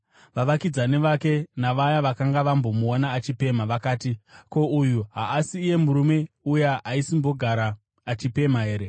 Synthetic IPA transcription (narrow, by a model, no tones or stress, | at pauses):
ʋaʋakid͡zaneʋake̞naʋajaʋakaŋɡaʋambo̞muonaːt͡ʃipe̞maʋakaːtiko̞ujuɦaːsiːje̞muɾume̞ | ujaɦaisimbo̞ɡʱaɾaː | t͡ʃipe̞maɦe̞ːɾe̞